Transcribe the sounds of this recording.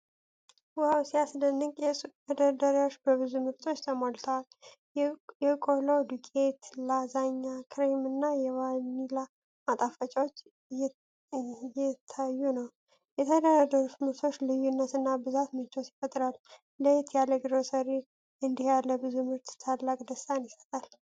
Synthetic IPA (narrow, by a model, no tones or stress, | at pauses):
wawsiasnənːɨkʼjɛəd̪ad̪aɾawot͡ʃːbəβɨzumɨɾt̪ʰʼo̞t͡ʃːt̪ʰəmolt̪ʰəwal | jɛkʼolod̪ukʼet̪lazaɲːakʰɾemɨnːajɛwanila | mat̪ʼafət͡ʃʼawot͡ʃː | jɛt̪ʰːajːunəw | jɛt̪ʰəd̪əɾad̪əɾut̪mɨɾt̪ʰo̞t͡ʃːlɨjːunːət̪ɨnːabɨzat̪mɨt͡ʃosifət̪ʼɾal | ləjt̪ʰjaleɡɾosəɾi | ɨnd̪ihjalːəbɨzumɨɾt̪t̪ʰalːakʼd̪əst̪anjisə̥t̪ʼal